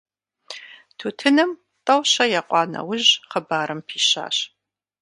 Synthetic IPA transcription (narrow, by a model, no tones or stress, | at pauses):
tʰuːtʰɨnɨm | tʼɐwɕɐjaqʷʼɑːnɐ̰wʊʑqəbaːɾɨmpʰiːɕa̰ːɕ